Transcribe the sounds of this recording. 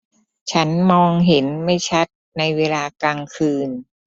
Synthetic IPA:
t͡ɕʰa˦˥nmɔː˧ŋɦe˩˦nma˥˩jt͡ɕʰa˦˥t̪̚na˧jweː˧laː˧kaː˧ŋkʰɯː˧n

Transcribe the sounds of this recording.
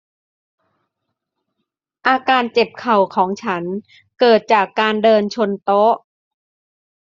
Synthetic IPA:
ʔaː˧kaː˧nt͡ɕe˨˩p̚kʰa˨˩wkʰɔː˩˦ŋt͡ɕʰa˦˥n | kɤː˨˩t̪̚t͡ɕaː˨˩kːaː˧ndɤː˧nt͡ɕʰo˧nt̪o˦˥ʔ

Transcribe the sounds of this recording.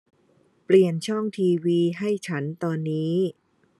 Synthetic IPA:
pli˨˩ənt͡ɕʰɔ˥˩ŋt̪ʰiː˧wiː˧ɦa˥˩jt͡ɕʰa˦˥nt̪ɔː˧nːiː˦˥

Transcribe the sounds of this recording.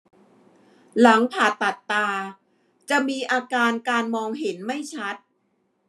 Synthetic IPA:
la˩˦ŋpʰaː˨˩t̪ːa˨˩t̪ːaː˧ | t͡ɕa˨˩miː˧ʔaː˧kaː˧nkaː˧nmɔː˧ŋɦe˩˦nma˥˩jt͡ɕʰa˦˥t̪̚

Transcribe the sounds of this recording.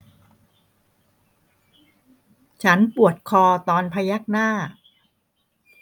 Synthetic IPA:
t͡ɕʰa˦˥npu˨˩ət̪̚kʰɔː˧t̪ɔː˧npʰa˧ja˦˥˩k̚naː˥˩

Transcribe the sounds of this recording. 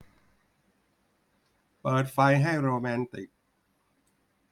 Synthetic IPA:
pɤː˨˩t̪̚fa˧jɦa˥˩jɾoː˧mɛː˧nt̪i˨˩k̚

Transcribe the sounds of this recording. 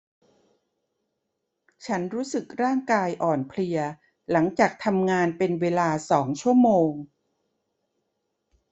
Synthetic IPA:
t͡ɕʰa˦˥nɾuː˦˥sɯ˨˩k̚ɾaː˥˩ŋkaː˧jʔɔː˨˩npʰli˧ɐ | la˩˦ŋt͡ɕaː˨˩k̚t̪ʰa˧mŋaː˧npe˧nweː˧laː˧sɔː˩˦ŋt͡ɕʰu˥˩əmoː˧ŋ

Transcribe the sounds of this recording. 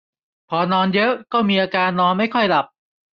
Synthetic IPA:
pʰɔː˧nɔː˧njɤ˦˥ʔkɔː˥˩miː˧ʔaː˧kaː˧nːɔː˧nma˥˩jkʰɔ˥˩jla˨˩p̚

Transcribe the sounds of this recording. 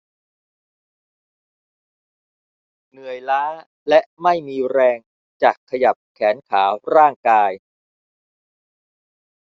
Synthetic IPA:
nɯ˨˩əjlaː˦˥ | lɛ˦˥ʔma˥˩jmiː˧ɾɛː˧ŋ | t͡ɕaː˨˩kʰːa˧ja˨˩p̚kʰɛː˩˦nkʰaː˩˦ɾaː˥˩ŋkaː˧j

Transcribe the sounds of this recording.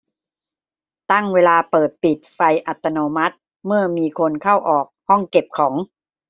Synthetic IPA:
t̪a˥˩ŋweː˧laː˧pɤː˨˩t̪̚pi˨˩t̪̚fa˧jʔa˨˩t̪ːa˧noː˧ma˦˥t̪̚ | mɯ˥˩ɐmiː˧kʰo˧nkʰa˥˩wʔɔː˨˩k̚hɔ˥˩ŋke˨˩p̚kʰɔː˩˦ŋ

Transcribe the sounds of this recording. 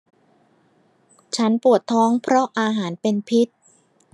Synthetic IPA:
t͡ɕʰa˦˥npu˨˩ət̪ʰːɔː˦˥ŋpʰɾɔ˦˥ʔaː˧ɦaː˩˦npe˧npʰi˦˥t̪̚

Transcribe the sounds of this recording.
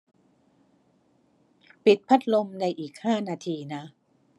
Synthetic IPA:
pi˨˩t̪̚pʰa˦˥t̪̚lo˧mna˧jʔiː˨˩k̚haː˥˩naː˧t̪ʰiː˧na˦˥

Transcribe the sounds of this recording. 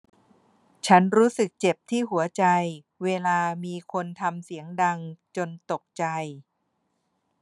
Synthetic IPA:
t͡ɕʰa˦˥nɾuː˦˥sɯ˨˩k̚t͡ɕe˨˩p̚t̪ʰiː˥˩ɦu˩˦ɐt͡ɕa˧j | weː˧laː˧miː˧kʰo˧nt̪ʰa˧msi˩˦əŋda˧ŋt͡ɕo˧nt̪o˨˩k̚t͡ɕa˧j

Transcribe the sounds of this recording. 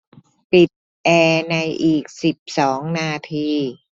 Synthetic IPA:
pi˨˩t̪̚ | ʔɛː˧na˧jʔiː˨˩k̚si˨˩p̚sɔː˩˦ŋnaː˧t̪ʰiː˧

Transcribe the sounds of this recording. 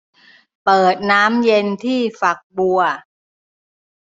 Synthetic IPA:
pɤː˨˩t̪̚naː˦˥mje˧nt̪ʰiː˥˩fa˨˩k̚bu˧ɐ

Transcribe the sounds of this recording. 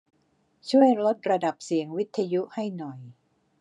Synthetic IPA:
t͡ɕʰu˥˩əjɾo˦˥t̪̚ɾa˧da˨˩p̚si˨˩˦əŋwi˦˥t̪ʰːa˧ju˦˥ʔha˥˩jnɔ˨˩j

